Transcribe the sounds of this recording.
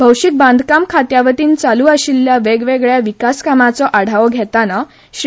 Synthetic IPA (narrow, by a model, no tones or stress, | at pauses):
bʱəwɕik̚bãnd̪ʱkamkʰat̪jaʋət̪iːnt͡saluːəɕilːjaʋeɡʋeɡɭjaʋikaskamat͡sɔʔaɽ̤ʱaʋɔɡʱɛt̪ana | ɕ